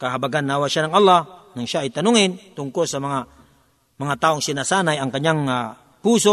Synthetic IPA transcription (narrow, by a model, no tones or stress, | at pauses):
kaɦabaɡanːawaʃanaŋalːahnaŋʃajt̪anuŋint̪uŋkʊlsamaŋa | maŋat̪aoŋsinasanajaŋkaɲaŋa | puso